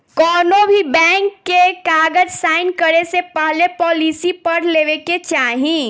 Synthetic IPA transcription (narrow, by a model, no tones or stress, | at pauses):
kɔːnobʱibɛ̃ːŋkːekaːɡəd͡ʒsaːɪnkəɾesepəɦlepɔːliːsipɐɾleːʋeket͡ʃaːɦĩ